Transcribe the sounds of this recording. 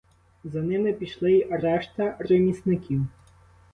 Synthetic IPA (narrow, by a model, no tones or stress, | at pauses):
zɐnɪmɪpʲiʃlˠɪiɾɛʃt̪ɐremʲisnɪkʲiw